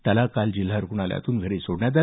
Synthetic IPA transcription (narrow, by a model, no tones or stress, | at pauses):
t̪alakald͡ʑil̤ːaɾukuɳalja̰t̪uːnɡʱəɾisoɽɳjat̪̬a